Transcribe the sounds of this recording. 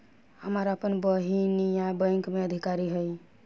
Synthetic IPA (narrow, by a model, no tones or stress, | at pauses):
həməɾəpənbəɦinijãbə̃j̃ŋkmeəd̪ʱikaɾiɦəj